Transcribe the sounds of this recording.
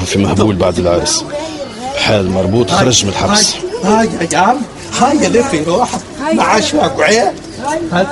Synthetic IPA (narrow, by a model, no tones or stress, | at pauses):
ufimæhbuːlbaʕd̪əlʕɑɾˤs | bħaːlmɑɾˤbuːt̪ˤxɑɾˤɑʒmənlħahaːjajam | haːjalɪfiɾuːħ | maʕaʃaɡʕeː